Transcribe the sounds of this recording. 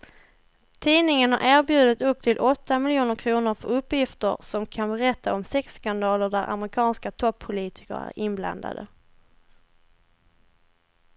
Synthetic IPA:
t̪ʰiːnɪŋənhaɾʔæːɾbjʉ̟ːd̪ɪt̪ɵp̚ːt̪ʰɪlʔɔt̪ːamɪljuːnəɾkʰɾuːnʊɾfœɾɵpːjɪft̪ə̰ɾsɔmkʰanbɛɾɛt̪ʰːaɔmsɛkskand̪ɑːləɖæɾʔa̰mɾɪkʰɑːnskat̪ʰɔpʰːʊliːt̪ʰɪ̥kə̰ɾæ̰ɾɪnbla̰nd̪a̰d̪ə̰

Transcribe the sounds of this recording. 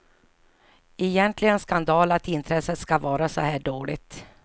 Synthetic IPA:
ɛjɛnt̪ʰlɪɡənskand̪ɑːlat̪ɪnt̪ʰɾɛsːət̪skavɑːɾasɔhæːɖoːlɪ̰t̪

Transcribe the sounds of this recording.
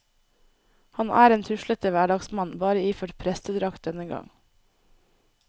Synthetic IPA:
hɑnʔæ̰ːɾeːnt̪ʰʉʃlət̪əʋæːɖɑɡsmɑnbɑːɾəiːføːʈpʰɾɛst̪əd̪ɾɑkt̪̚d̪ɛnəɡɑ̰ŋ

